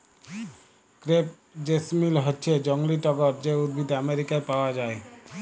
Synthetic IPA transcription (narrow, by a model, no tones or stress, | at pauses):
kɾep̚ | d͡ʒesmilɦɔtːʃʰed͡ʒɔŋliʈɔɡɔɾd͡ʑeud̪̚bʱid̪ameɾikaɾpaoad͡ʒae